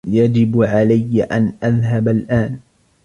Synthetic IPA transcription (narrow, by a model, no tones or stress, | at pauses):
jad͡ʒɪbʕalajːaʔanʔaðɦabalʔaːn